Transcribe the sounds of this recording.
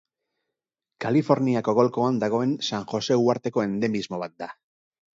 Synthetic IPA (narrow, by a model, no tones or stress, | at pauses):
kalifo̞ɾniako̞ɣ̞o̞lko̞and̪aɣ̞o̞e̞nsaŋxo̞se̞uaɾt̪e̞ko̞e̞nd̪e̞mizmo̞β̞at̪̚d̪a